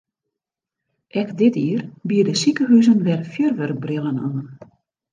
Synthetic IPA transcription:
ʔɛkdɪtiərbiədəsikəɦyzənʋɛrfjørʋørɡ̚brɪlˠəna̰ːn

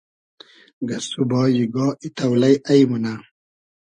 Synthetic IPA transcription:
ɡɐsubɑːjiɡɔːit̪ʰɐwlɐjʔajmuna

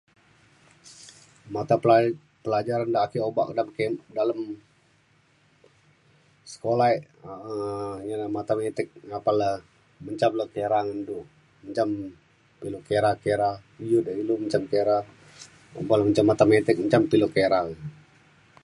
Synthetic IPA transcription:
mat̪a | pəlad͡ʒaɾandakioba̰ʔkdamkedaləm | sə̥kolaeʔ | əɲanamat̪amet̪ɪk̚apalə | məɲt͡ʃamləkeɾaŋəndu | məɲt͡ʃam | pilokeɾahkeɾaijudailuməɲt͡ʃamkeɾa | o̰baləməɲt͡ʃamːat̪amet̪ɪk̚məɲt͡ʃampilokeɾaŋ

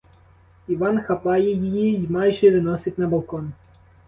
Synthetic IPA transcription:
iʋɑnxɐpɑjɛjɪjimɑjʒɛʋɪnɔsɪtʲnɐbɐlˠkɔn

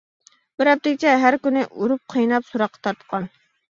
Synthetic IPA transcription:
bɪɾɛp̚t̪ɪkʲɪt͡ʃʰɛɦæɾkʲynɪʔuɾup̚qʰəjnɑpsuɾɑqʰːɑ̥t̪ʰɑɾt̪qʰɑn

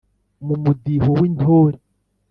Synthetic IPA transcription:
mumudihowintʰoɾi

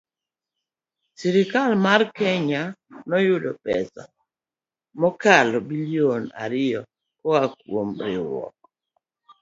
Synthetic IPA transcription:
siɾikalmarkɛɲanɔjʊdɔpɛ̰sa̰ | mɔkalɔbiliona̰ɾɪjɔ | kɔakwomɾɪ̰ɾɔ̰k̚

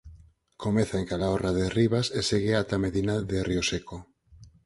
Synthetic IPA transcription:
komeθaeŋkalaoraðeriβaseseɣeat̪ameðinaðerioseko

